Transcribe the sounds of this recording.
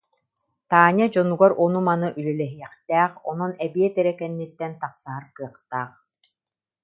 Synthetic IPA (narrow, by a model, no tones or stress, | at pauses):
t̪aːɲad͡ʑɔnuɡaɾɔnumanɯʔylɛlɛɦijɛχt̪ɛːχɔnɔnɛbiɛt̪ɛɾɛkɛnːit̪ːɛnt̪aqsaɦaɾkɯɐqt̪aːχ